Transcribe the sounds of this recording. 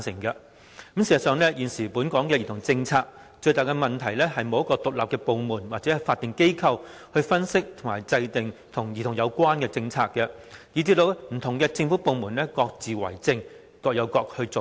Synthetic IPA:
nsɪ˨˩ŋkɐ˧ | kə˨˥msiː˨˩sɐ˨˩sœː˨˧ŋlɛ˥jiː˨nsiː˨˩puː˨˥nkɔː˨˥ŋkɛ˧jiː˨t̪ʰʊ˨˩ŋt͡sɪ˧ŋt͡sʰaː˧k̚ | t͡ʃɵ˧ɥt̪aː˨˩jkɛ˧mɐ˨nt̪ʰɐ˨˩jlɛː˥ɦɐ˨jmo˨˧wjɐ˥kɔː˧t̪ʊ˨k̚la̰ː˨p̚kɛ˧po˨˧wmuː˨˩nwaː˨t̚t͡sɛ˨˦˥ɐ˨˩jfaː˧t̪ːɪ˨ŋke˥jkʰɐ˧w | hɵ˧ɥfɐ˥nsɪ˥k̚t̪ʰʊ˨˩maː˨˩jt͡sɐ˧jt̪ɪ˨ŋt̪ʰʊ˨˩ŋjiː˨t̪ʰʊ˨˩ŋjɐ˨˧wkʷwaː˥nkɛː˧t͡sɪ˧ŋt͡sʰaː˧kːɛ˧ji˨˧t͡siː˧t̪o˧wm̩˨˩t̪ʰʊ˨˩ŋkɛː˧t͡sɪ˧ŋfuː˨˥po˧wmuː˨˩nlɛː˥kɔː˧k̚t͡siː˨wɐ̰˨˩jt͡sɪ˧ŋ | kɔː˧k̚jɐ˨˧wkɔː˧k̚hɵ˧t͡so˨

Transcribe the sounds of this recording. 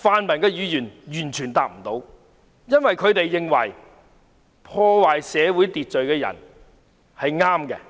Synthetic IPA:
faː˧nmɐ˨˩nkɛː˧jyː˨˧jyː˨˩njyː˨˩nt͡ʃʰyː˨˩nt̪aː˨k̚m̩˨˩t̪o˨˧˥w | jɐ˥nwɐ˨jkʰɵ˨˧ɥt̪e˨jːɪ˧ŋwɐ̰˨˩j | pʰɔː˧waː˨jsɛː˨˧wu˨˥jt̪iː˨t̚t͡ʃɵ˨ɥkɛː˧jɐ̰˨˩n | hɐ˨jŋaː˥mkɛ̰˧

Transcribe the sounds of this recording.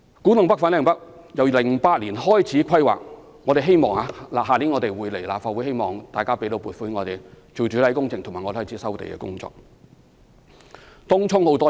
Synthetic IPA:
kuː˨˥nʊ˨ŋpɐ˥k̚fa˨˥nlɛː˨ŋpɐ˥k̚jɐ˨˧wlɪ˨˩ŋpaː˧t̚liː˨˩nhɔː˥jt͡sʰiː˨˥kʰɐ˥jwa̰ː˨k̚ | ŋɔː˨˧ɾe˨jɦe˥jmɔː˨˩ŋaː˧laː˨ɦaː˨li˨˥ŋɔ˨˧t̪e˨jwuː˨˧jle˨˩jlaː˨p̚faː˧t̚wu˨˥jhe˥jmɔː˨˩ŋt̪aː˨jkaː˥pe˨˥t̪o˧˥wpu˨t̚fu˧˥hɪ˧˥ŋɔː˨˧t̪e˨j | t͡so˨˩wt͡ʃyː˨˥t̪ɐ˧˥jkʊ˥ŋt͡sɪ˨ŋt̪ʰmaː˨˩ŋɔ˧te˨˩ɔː˥jt͡sʰiː˨˦sɐ˥wt̪ḛ˨jkɛ̰ː˧kʊ̰˥ŋt͡sɔ̰ː˨k̚ | t̪ʊ˥ŋt͡sʰʊ˥ŋho˨˥wt̪ɔː˥

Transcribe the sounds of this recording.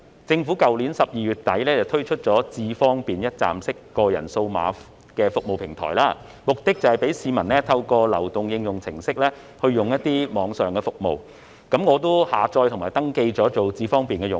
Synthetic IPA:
t͡sɪ˧ŋfuː˨˥kɐ˨wliː˨˥nsɐ˨p̚jiː˨jyː˨t̚t̪ɐ˨˥jlɛː˥t͡sɐ˨wt̪ʰɵ˥ɥt͡ʃʰɵ˥t̚t͡sɔː˨˥t͡siː˧fɔː˥ŋpiː˨njɐ˥t̚t͡sa̰ː˨msɪ˥kːɔː˧jɐ̰˨˩nso˧wma̰ː˨˧ | kɛː˧fʊ˨˥k̚mo˨wpʰɪ˨˩ŋt̪ʰɔ̰ː˨˩jlaː˧˥ | mʊ˨k̚t̪ɪ˥k̚t͡sɐ˨˩hɐ˨jpe˨˥jsiː˨˧mɐ˨˩nlɛː˥t̪ʰɐ˧wkɔː˧lɐ̰˨˩wt̪ʊ˨ŋjɪ˧ŋjʊ˨ŋt͡sʰɪ̰˨˩ŋsɪ˥k̚lɛː˥ | hɵ˧ɥjʊ˨˩ŋjɐ˥t̚t̪ːiː˥mɔː˨˧˥ŋsœː˨ŋkɛː˧fʊ˨k̚mo̰˨w | kɐ˨˥mŋɔː˨˧t̪o˥haː˨t͡sɔː˧jt̪ʰʊ˨˩ŋmaː˨˩jt̪ɐ˥ŋke˧jt͡sɔː˨˥t͡so˨wt͡siː˧fɔː˥ŋpiː˨nkɛː˧jʊ˨ŋ

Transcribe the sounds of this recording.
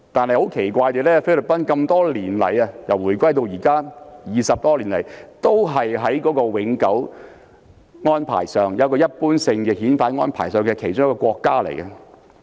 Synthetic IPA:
t̪aː˨nhɐ˨jho˨˥wkʰe˨˩jkʷaː˧jt̪eː˨˧lɛː˥fe˥lɵ˨p̚pɐ˥nkɐ˧mt̪ɔː˥liː˨˩nlɐ̰˨˩jɐ˧jɐ˨˩wuː˨˩jkʷɐ˥jt̪o˧wjiː˨˩kaː˥jiː˨˩sɐ˨p̚t̪ɔː˥liː˨˩nlɐ̰˨˩jt̪o˥wɦɐ˨jɦɐ˨˥jkɔː˨˥kɔː˧wɪ˨˥ŋkɐ˨˥w | ŋɔː˥npʰa̰ː˨˩jsœː˨˩ŋjɐ˨˧wkɔː˧jɐ˥t̚puː˥nsɪ˧ŋkɛ˧hiː˨˥nfaː˧˥ŋɔ̰ː˥npʰa̰ː˨˩jsœː˨˩ŋkːkʰe˨˩jt͡ʃʊ˥ŋjkːɔː˧kʷwɔː˧kːaː˥lḛ˨˩jkɐ˧

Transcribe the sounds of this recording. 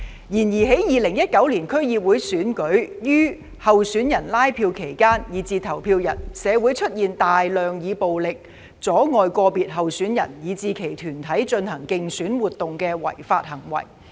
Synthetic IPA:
jiː˨˩njiː˨˩ɦe˨˥jjiː˨lɪ˨˩ŋjɐ˥t̚kɐ˨˥wliː˨˩nkʰɵ˥ɥjiː˨p̚wuː˨˧˥jsyː˨˥nkɵ˨˥ɥjyː˥ | hɐ˨wsyː˨˥njɐ˨˩nlaː˥jpʰiː˧wkʰe˨˩jkaː˥njiː˨˧t͡siː˨˧t̪ʰɐ˨˩wpʰiː˧wjɐ̰˨˩nsɛː˨˧wuː˨˥jt͡ʃʰɵ˥t̚jiː˨nt̪aː˨jlœː˨ŋjiː˨˧po˨wlɪ˨k̚ | t͡sɔː˨˥ŋɔː˨˧jkɔː˧piː˨t̚ɦɐ˨wsyː˨˥njɐ̰˨˩njiː˨˧t͡siː˨˧kʰe˨˩jt̪ʰyː˨˩nt̪ʰɐ˨˥jt͡ʃɵ˧nhɐ˨˩ŋkɪ˧ŋsyː˨˥nwuː˨t̪̚ʊ˨ŋkɛː˧wɐ̰˨˩jfa̰ː˧t̚hɐ˨˩ŋwɐ̰˨˩j

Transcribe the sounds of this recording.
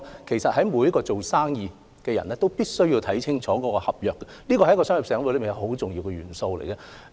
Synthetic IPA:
kʰe˨˩jsɐ˨t̚hɐ˨˥jmuː˨˧jɐ˥kɔː˧t͡so˨wsaː˥ŋjiː˨˧ | kɛː˧jɐ̰˨˩nɛː˥t̪wpiː˥t̚sɵ˥ɥjiː˧wt̪ʰɐ˨˥jt͡sʰɪ˥ŋt͡ʃʰɔː˨˥kɔː˨˧˥kɔː˧hɐ˨p̚jœː˨kːɛ˧liː˥kɔ˧˨jɐ˥kːɔː˧sœː˥ŋji˨psɛː˨˥ŋwu˧˥lbjɐ˨˧wɦo˨˥wt͡sʊ˨ŋji˧wkɛ˧ɥyː˨˩nso˧wlḛ˨˩jkɛ˧

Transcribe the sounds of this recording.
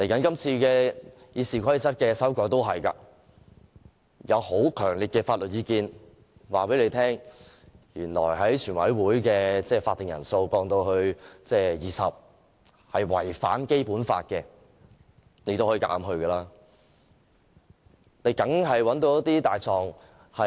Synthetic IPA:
le˨˩jkɐ˨˥nkɐ˥mt͡sʰiː˧kɛː˧ | jiː˨˧siː˨kʰʷɐ˥jt͡sɐ˥t̚kɛː˧sɐ˥wkɔː˧jt̪o˥wɦɐ˨jka̰ː˧ | jɐ˨˧who˨˥wkʰœː˨˩ŋliː˨t̚kɛː˧faː˧t̚lɵ˨t̚jiː˨˧kiː˧n | waː˨˩pe˨˥le˨˧jt̪ʰɛː˥ŋ | jyː˨˩nlɔ̰ː˨˩jɦɐ˨˥jt͡ʃʰyː˨˩nwɐ̰˨˥jwuː˨˥jkɛː˧t͡sɛː˥˩faː˧t̪ːɪ˨ŋjɐ̰˨˩nso˧wkɔː˧ŋt̪o˧whɵ˧ɥt͡sɛː˥jiː˨sɐ˨p̚ | hɐ˨jwɐ̰˨˩jfa̰ː˨˥nke˥jpuː˨˥nfa̰ː˧t̚kɛː˧ | ne˧˥to˥whɔː˧˥iː˨ka̰ː˧˥mɦɵ˧ɥkɛː˧laː˥ | ne˨˧jkɐ˨˥ŋɦɐ˨jwɐ˨˥nt̪̬o˨˧wjt̪iː˥t̪aː˨jt͡sɔː˨ŋ | hɐ˨

